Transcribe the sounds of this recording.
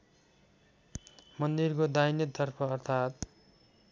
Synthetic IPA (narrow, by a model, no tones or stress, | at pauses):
mʌnd̪irkod̪ajnʌt̪ʌrpʰʌːrt̪ʰat̪